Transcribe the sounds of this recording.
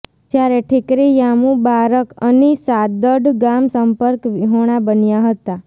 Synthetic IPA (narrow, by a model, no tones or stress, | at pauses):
d͡ʒjaɾeʈʰɪkɾijamũbaɾəkənisad̪əɖɡamsəmpəɾkʋiɦoɽ̃abənjaɦət̪a